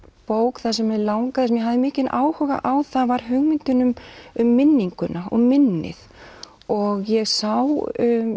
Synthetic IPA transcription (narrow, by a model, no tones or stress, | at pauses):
poːwkθaðsɛmɛðlaːwŋkaðɪsɛmjɛɦavðɪmɪːcɪnaːwhœɣa̰ʔawθavaɾ̥ɦʏɣmɪnt̪ʏnʏmʏmːɪnːiŋkʏnaɔ̰ɣmɪnːɪ̰θ | ɔɣjɛɣsawʏ